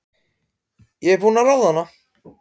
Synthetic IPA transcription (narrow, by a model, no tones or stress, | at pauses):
jɛɣvoːnaɾawðanːa